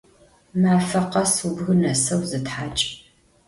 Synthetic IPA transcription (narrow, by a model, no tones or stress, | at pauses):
maːfɐqɐsubɣɨnɐsɐwzɨtħaːt͡ʃʼ